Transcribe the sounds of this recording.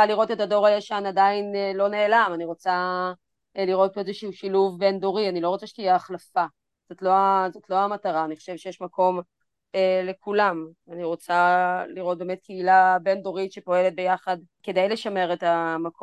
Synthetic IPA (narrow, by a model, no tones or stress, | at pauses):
aliʁo̞tetado̞ʁajaʃanadainlo̞ne̞ːlamaniʁo̞t͡sa | liʁo̞t̚poezeʃuuʃiluvbe̞ndo̞ʁianilo̞ʁot͡saʃe̥tijɛaχlafa | z̥o̞tlo̞azotlo̞amataʁaːniχoʃe̞vʃejeɛʃmako̞m | ele̞kulam | aniʁo̞t͡saliʁo̞t̚beːmet̚kʰeilabe̞ndo̞ʁitʃepo̞e̞let̪̚be̞jaχad | ke̞dejle̞ʃame̞ʁetamako